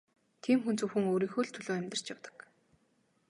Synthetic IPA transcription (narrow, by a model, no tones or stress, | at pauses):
t̪ʰiːmxunt͡suwxɘ̆ŋoːɾiːŋxuːɮt̪ʰɵɮoːæmʲt̪ə̆r̥t͡ɕjawt̪ə̥̆k